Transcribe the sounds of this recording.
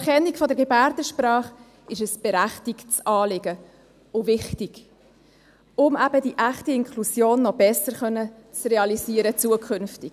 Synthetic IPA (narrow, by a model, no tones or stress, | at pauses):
ɛχɛnːikfɔdɛɾɡ̥ebæɾdəʃprɑːχ | ɪʃəsb̥ɛɾæχtikt͡sɑːlɪɡə | ʊvɪχtiɡ̥ | ʊmæbədiʔæχtiɪŋkʰlusjoːnːɔbɛsəɾχœnːət͡sreɑlisiːəɾət͡suəkʰχʏnftiɡ̥